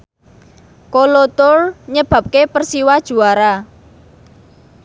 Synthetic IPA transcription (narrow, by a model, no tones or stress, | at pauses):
kolot̪ʊrɲəb̥a̤p̚kepərsiwad̥ʒ̥ṳaɾa